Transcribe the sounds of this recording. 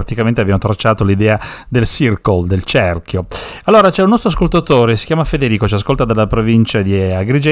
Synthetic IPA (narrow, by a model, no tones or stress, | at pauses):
at̪ikament̪eabjamot̪ɾat͡ʃːaːt̪olid̪ɛːad̪elsirkold̪elt͡ʃɛrkjoalːoːɾat͡ʃɛunːɔst̪ɾoaskolt̪at̪oːɾesi̥kjaːmafed̪eɾiːkot͡ʃias̬kolt̪ad̪alːapɾovint͡ʃad̪iaɡɾid͡ʒɛ